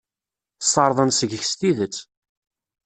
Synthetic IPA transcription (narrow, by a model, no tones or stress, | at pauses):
θəsˤɑɾˤðˤənsəʝəçst̪iðət͡sː